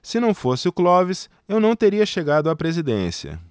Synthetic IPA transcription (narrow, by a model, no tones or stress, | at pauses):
sɪnɐ̃w̃fosɪʊklɔvɪs | ewnɐ̃w̃t̪eɾiɐʃeɡad̪ʊapɾezid̪ḛ̃siɐ̰